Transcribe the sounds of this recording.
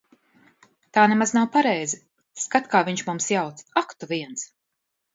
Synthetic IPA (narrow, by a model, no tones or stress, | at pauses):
t̪aːnemaznawpaɾɛjzi | skat̪kaːviɲʃmumsjawt̪sakt̪uviɛns